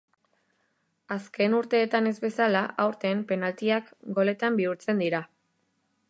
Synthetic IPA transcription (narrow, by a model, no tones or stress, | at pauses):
aske̞nuɾt̪e̞ːt̪ane̞zβe̞salaʔawɾt̪e̞mpe̞nalt̪iakɡo̞le̞t̪ambiuɾt͡se̞nd̪iɾa